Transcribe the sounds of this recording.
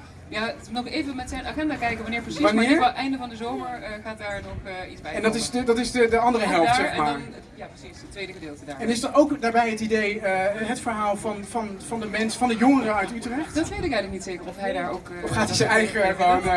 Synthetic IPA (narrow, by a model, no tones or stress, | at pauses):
janɔχejvəmɛtsɛjnaχɛndaːkɛjkəʋɑnɪːɹprəsiʋnɪːɹɛjndəvɑndəzowməɹəχaːt̚daːɹnɔχizbɛjɛndɑtɪsdədɑtɪsdədəɑndərəɦɛlˠptssɛχmaːdɹn | japrəsisətːʋejdəədɪːlˠtədaɹɛnɪs̬dɔnowkdaːɹbɛjɦətidejəɦətfəɹɦaːlˠvɑnvɑnvɑndəmɛnsfɑndəjʊŋərəœɥtytrɛχtdɔtʋejtɪkɛjɣələknitseːkəɹɔfɦɛjdaːɹowk | ɔfχaːtizɛnɛjχəvɔɹmə